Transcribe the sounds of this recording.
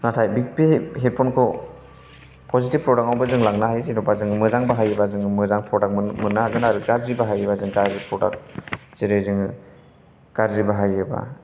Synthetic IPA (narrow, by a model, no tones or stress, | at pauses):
natʰajbik̚piɦet̚pʰɔnkʰɔ | pʰozitipːɾɔdak̚awbazɯŋlaŋnaɦajzinɔbazɯŋmɯzaŋbaɦajɯbazɯŋmɯzaŋpɾɔdak̚mmɯnːaaɡɯnaɾɯɡaɾzibaɦajɯbazɯŋkaɾzipʰɾɔda̰k̚z̥iɾɯzɯŋ | ɡ̥aɾzibaɦajɯba̰